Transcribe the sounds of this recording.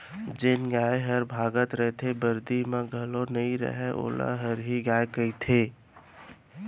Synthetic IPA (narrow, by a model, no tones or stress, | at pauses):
d͡ʒɪnɡaːeɦəɾbʱaːɡət̪ɾəɦt̪ʰebəɾd̪imãɡʱəlonəĩɾə̰ɦɛʔo̰ːla̰ɦəɾɦiɡaːekəit̪ʰeː